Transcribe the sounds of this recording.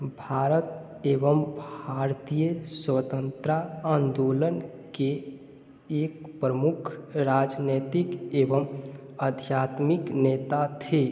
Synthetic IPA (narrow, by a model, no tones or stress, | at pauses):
bʱaɾət̪eʋəmbʱaɾt̪ijəswət̪ənt̪ɾaənd̪olənkeː | k̚pɾəmukʰɾad͡ʒnet̪ikeʋəm | əd̪ʱjat̪miknet̪at̪ʰe